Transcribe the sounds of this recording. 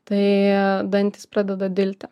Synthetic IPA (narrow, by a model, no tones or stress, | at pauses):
t̪ɐɪd̪ɐnʲt̪ʲɪspʲɾɑːd̪ʲɛd̪ɐd̪ʲɪlʲt̪ʲɪ